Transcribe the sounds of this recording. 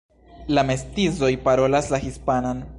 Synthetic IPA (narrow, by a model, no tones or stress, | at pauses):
lame̞stizo̞jpaɾo̞laslahispanan